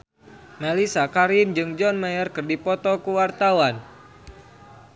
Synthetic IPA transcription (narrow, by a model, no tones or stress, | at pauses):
malisakaɾind͡ʒɨŋd͡ʒɔnmajərkɨrdipɔt̪ɔkuwart̪awan